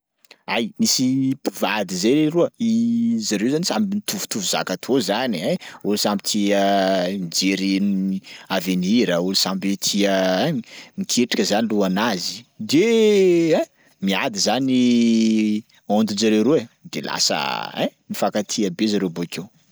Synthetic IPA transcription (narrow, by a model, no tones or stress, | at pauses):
ajmisipu̥vad̪izeɾeɾuəizaɾewzanisambinit̪ʰuvu̥t̪uvuz̥a̰kat̪ʰozaniẽulusambit̪ʰiənd͡ʒeɾinaveniɾəulusambet̪ʰiə | mikʰeʈ͡ʂḁkəzaniluanazid̪e | ɛ̃ | miad̪izani | ond̪und͡ʒaɾeɾued̪ela̰sə̰ɛ̃nifakat̪ʰiəbezaɾewboakʰew